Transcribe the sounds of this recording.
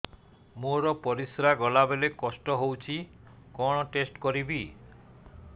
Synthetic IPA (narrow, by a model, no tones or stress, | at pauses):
moɾɔpɔɾisɾaɡɔlabelekɔsʈɔɦowt͡ʃʰi | kɔɽ̃ɔʈesʈkɔɾibi